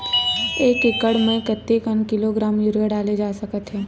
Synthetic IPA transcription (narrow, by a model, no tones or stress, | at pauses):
eːkɪkəɽmɛ̃kət̪ːekənkɪloɡɾaːmjʊɾɡəɖaːled͡ʒaːsɐkət̪ɦɛː